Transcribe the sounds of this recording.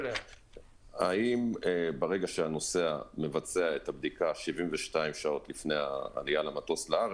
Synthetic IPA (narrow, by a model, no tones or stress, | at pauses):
aimebaʁe̞ɡaʃeano̞se̞ame̞vat͡seaet̪abd̪ikaʃivimveʃtaimʃao̞t̪lifne̞ja̰ːlijalamat̪o̞slaaʁe